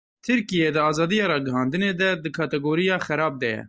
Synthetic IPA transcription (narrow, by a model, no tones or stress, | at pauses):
t̪ʰɨɾkijeːd̪ɨɑːzɑːd̪ijɑːɾɑːɡɨɦɑːnd̪ɨneːd̪ɛd̪ɨkʰɑːt̪ɛɡoːɾijɑːxɛɾɑːb̚d̪ɛjɛ̰